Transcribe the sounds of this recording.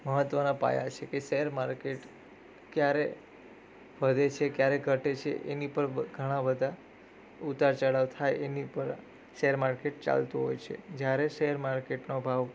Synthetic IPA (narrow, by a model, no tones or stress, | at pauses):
məɦət̪ːʋənapa̰ja̰t͡ʃʰekeʃeɦəɾmaɾkeʈ | kjaɾe | ʋəd̪et͡ʃʰekjaɾeɡʱəʈet͡ʃʰḛʔḛnipəɾɡʱəɽ̃ãbəd̪ʱa | ut̪aɾt͡ʃəɽaʋt̪ʰajenipəɾ | ʃəɦəɾmaɾkeʈ̚t͡ʃa̰lt̪oɦojt͡ʃʰḛd͡ʒjaɾeʃeɦəɾmaɾkeʈnobʱaʋ